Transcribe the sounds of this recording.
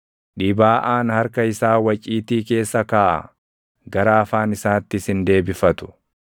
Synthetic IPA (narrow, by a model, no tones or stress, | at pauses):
ᶑiːbaːʔaːnhɐɾkɐɪsaːwɐt͡ʃʼiːt̪iːke̞ːsːɐkaːʔɐ̰ | ɡɐɾaːɐfaːnɪsaːt̪ːɪsɪnd̪e̞ːbɪfɐt̪ʊ̥